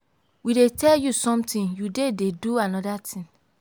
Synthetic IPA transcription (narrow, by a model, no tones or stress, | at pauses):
widetɛljusɔ̃mtĩnjudededuanɔdatʰĩn